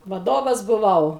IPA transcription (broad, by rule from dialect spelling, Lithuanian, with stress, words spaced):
ʋɐˈdoːʋɐs bʊˈʋɐʊ